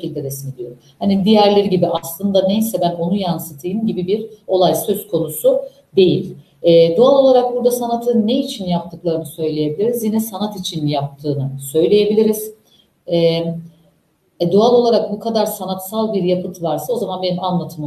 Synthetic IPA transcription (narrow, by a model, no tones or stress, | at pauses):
ilʲd̪ed̪esinid̪ijoɾmhanid̪ijæɾlʲe̞ɾiɟibiʔaslˠɯnd̪anejsɛbæno̞nujansɯt̪ʰɯjɯmɟibibiɾo̞lˠajsø̞z̥kʰo̞nusu | d̪e̞jilʲ | ɛːd̪ualˠo̞lˠaɾak̚buɾd̪asanat̪ʰɯnːeit͡ʃʰinjapt̪ʰɯklˠaɾɯnɯsø̞jlʲeje̞bilʲiɾizjinɛsanat̪it͡ʃʰinjap̚t̪ʰɯːnɯsø̞jlʲe̞je̞bilʲiɾiz̥ | ɛ | ɛd̪ualˠo̞lˠaɾak̚bukʰad̪aɾsanat̪salˠbiɾjapɯt̪ʰvaɾsao̞zamanbe̞nimanlˠat̪ʰɯm